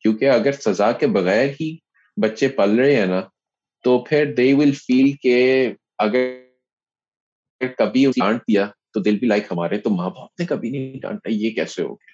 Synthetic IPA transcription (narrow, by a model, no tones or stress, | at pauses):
kjũːkeɐɡəɾsɐzaːkebɐɣɛːɾɦi | bɐtːʃepɐlɾəeɦɛ̃ːna | t̪opʰɪɾd̪eːʋɪlfiːlke | ɐɡə | ɾkɐbʱiʊiãːɳʈ̚d̪ijat̪od̪ɪlbʱilaːɪkɦɐmaːɾeɛt̪omaːbaːp̚nekɐbʱinɐĩɖã̰ːɳʈaijekɛ̰ːseɦo̰ːɡjaː